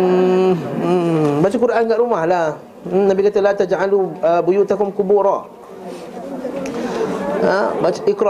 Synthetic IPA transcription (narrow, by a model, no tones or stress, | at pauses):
bat͡ʃək̬uɾaʔankaʔɾumahlah | nabikat̪əlat̪ad͡ʒʕaluəbujut̪akʊmkubuɾa | abat͡ʃəʔɪkɾ